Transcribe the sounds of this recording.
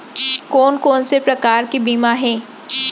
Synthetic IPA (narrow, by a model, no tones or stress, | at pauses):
koːnkoːnsepɾɐkaːɾkibiːmaɦɛː